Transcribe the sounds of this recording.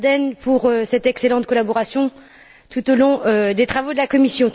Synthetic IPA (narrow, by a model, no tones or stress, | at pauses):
d̪ɛnpuʁøsɛt̪ɛkselɑ̃t̪kɔlabɔʁasjɔ̃ | t̪ut̪olɔ̃ød̪et̪χavod̪əlakɔmisjɔ̃